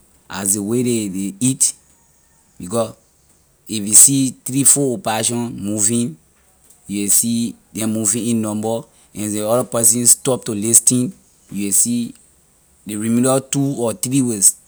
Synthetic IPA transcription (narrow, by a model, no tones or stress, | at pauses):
a̰sdewededeit | bikɔs | ifjusit̪ɾifɔopɛɹaʃɔ̃nmuvĩn | juwesidɛ̃mːuvĩĩnːɔ̃mbɔ | ɛ̃ndeɔɾapɛsĩnstɔp̚tolistĩn | juwesi | deɹimilatuɔt̪ɾiwes